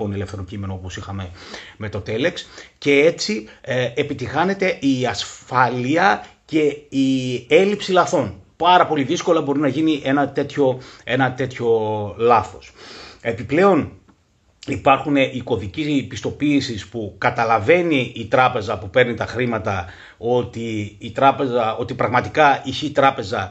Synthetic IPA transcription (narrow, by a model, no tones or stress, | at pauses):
onele̞fθe̞ɾocime̞noopo̞sixɐme̞me̞t̪o̞t̪e̞le̞ksce̞e̞t͡siepit̪ixɐne̞t̪e̞iɐsfɐliɐce̞ie̞lipsilɐθo̞npɐɾɐpo̞liðisko̞lɐbo̞ɾinɐʝiniʔe̞nɐt̪e̞t̪ço̞e̞nɐt̪e̞t̪ço̞lɐθo̞se̞piple̞o̞n | ipɐɾxune̞ʔiko̞ðicipist̪o̞piːsispukɐt̪ɐlɐve̞niːt̪ɾɐpe̞zɐpupe̞ɾnit̪ɐxɾimɐt̪ɐ | o̞t̪iːt̪ɾɐpe̞zɐo̞t̪ipɾɐɣmɐt̪ikɐiçeːt̪ɾɐpe̞zɐ